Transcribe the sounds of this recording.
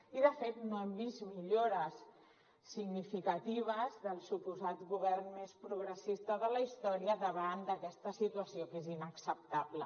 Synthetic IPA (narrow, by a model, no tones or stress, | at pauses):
iðəfet̪noɛmbizmiʎoɾəsː | iɡnifikət̪iβ̞əzðəlˠsupuzat̪ɡuβɛrnmespɾuɣɾəsist̪əðələist̪ɔɾiəðəβand̪əkɛst̪əsit̪uəsiokezinəksəp̚t̪aβlə